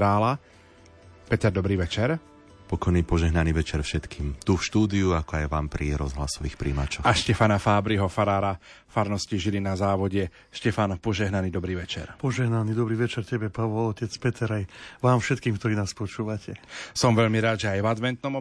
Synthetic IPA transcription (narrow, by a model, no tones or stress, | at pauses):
ɾaːla | pɛt̪ɛɾd̪ɔbɾiːʋɛt͡ʃɛɾ | pɔkɔjniːpɔʒɛɦnaniʋɛt͡ʃɛɾfʃɛt̪kiːmt̪ufʃt̪uːd̪iuakɔajʋaːmpɾiɾɔzɦla̰sɔʋiːxpɾḭːma̰t͡ʃɔxaʃcɛfanafaːbɾiɦɔfaɾaːɾa | faɾnɔsciʒiɾinazaːʋɔɟɛ | ʃcɛfanpɔʒɛɦnaniːd̪ɔbɾiːʋɛt͡ʃɛ̰ɾpɔʒɛɦnanid̪ɔbɾiːʋɛt͡ʃɛɾcɛbɛpaʋɔlɔcɛt͡spɛt̪ʰɛɾajʋaːmfʃɛt̪̚kiːmkt̪ɔɾiːnaːspɔt͡ʃuːʋacʰɛsɔmʋɛʎmiɾaːd̪ʒɛajvad̪ʋɛnt̪nɔmɔ